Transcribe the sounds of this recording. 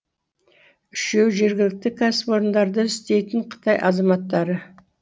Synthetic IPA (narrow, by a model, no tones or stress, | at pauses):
ʏʃewʒe̞ɾɡʲɪlɪk̚t̪ɪkʰaspo̞ɾənd̪ɑɾd̪əɪst̪e̞jt̪ɪɴqʰə̥t̪ʰɑjʔɑ̰zɑmɑt̪ːɑɾə